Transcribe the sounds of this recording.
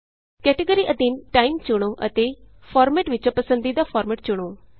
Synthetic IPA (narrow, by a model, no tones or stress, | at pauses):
kɛːʈəɡəɾiːʔəd̪inʈaːimt͡ʃʊɽ̃oːʔə̰t̪eːpʰɔːɾmɛːʈʋɪt͡ʃõːpəsə̃nd̪iːd̪aːpʰɔːɾmɛːʈ̚t͡ʃʊɽ̃oː